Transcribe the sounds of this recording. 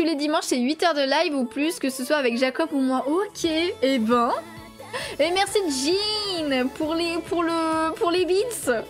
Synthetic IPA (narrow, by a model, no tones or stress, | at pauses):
t̪uled̪imɑ̃ʃeɥit̪œʁd̪əlajvuplyskəsəswaːvɛkʒakɔpumwɛ̃ʔokʲʰeːbɛ̃ | emɛʁsid̪əʒinpuʁlepʰuʁləpuʁlebit̪s